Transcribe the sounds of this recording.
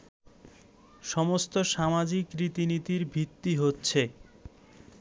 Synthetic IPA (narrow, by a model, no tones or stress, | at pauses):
ʃɔmost̪oʃamad͡ʑikːɾit̪init̪iɾbʱit̪ːiɦotːɕʰe